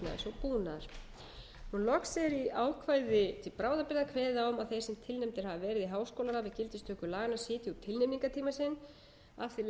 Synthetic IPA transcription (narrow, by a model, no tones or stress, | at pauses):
na̰sɔpuːnaɾ̥ | hunlɔksɛɾiaːwkʰvaːjðɪt̪ʰɪlpɾaːwðapɪɾðakʰvɛːðaɔmaðθejɾsɛmt̪ʰɪlnɛmt̪ɪɾ̥havavɛːɾɪðiɦaːwskowlaɾavɪðcɪlt̪ɪst̪ʰœːkʏlaːɣanːasɪːt̪jut̪ʰɪlnɛmniŋkat̪ʰiːmasɪn | afθi